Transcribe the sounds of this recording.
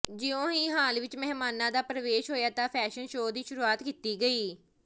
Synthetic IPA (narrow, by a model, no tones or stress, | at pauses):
d͡ʒɪjõːiːɦaːlʋɪt͡ʃmɛɦmaːnãːd̪aːpɾəʋeːʃɦoːjaːt̪ãːpʰɛːʃənʃoːd̪iːʃʊɾuːaːt̪kiːt̪iːɡəiː